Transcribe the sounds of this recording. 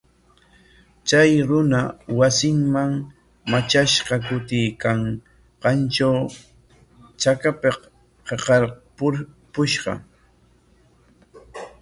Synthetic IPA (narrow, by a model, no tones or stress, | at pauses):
t͡ʃajɾʊnawasɪŋmaŋ | mat͡ʃaʃɢɑkʊt̪ɪjkaŋ | ɢɑnt͡ʃaw | t͡ʃakapeq | qeqɑɾpʊpʊʃɢɑ̰